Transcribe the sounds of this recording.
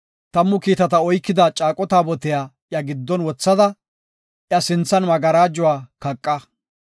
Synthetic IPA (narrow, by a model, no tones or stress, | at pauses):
t̪ɐmːʊkiːt̪ɐt̪ɐɔjkːɪd̪ɐt͡ʃʼaːkʼːɔt̪aːbɔt̪ɛjaːʔjɐɡɪd̪ːɔnwɔt͡sːɐd̪ɐ | ʔjɐsɪnt͡sːɐnmɐɡɐɾaːd͡ʒʊwaːkɐkʼːɐ